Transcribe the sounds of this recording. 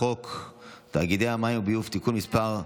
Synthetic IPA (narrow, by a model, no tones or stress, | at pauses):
ok | t̪aɡid̪ejamajmbijuft̪ikulmispaʁ